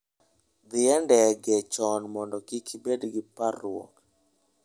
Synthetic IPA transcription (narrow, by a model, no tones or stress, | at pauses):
d̪ɪɛndɛɡɛt͡ʃɔnmɔndɔkikʰibedɡɪparwo̰k